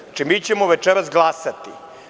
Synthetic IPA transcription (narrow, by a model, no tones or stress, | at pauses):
at͡ʃimiːt͡ɕemoʋet͡ʃeɾasɡlˠasat̪ḭ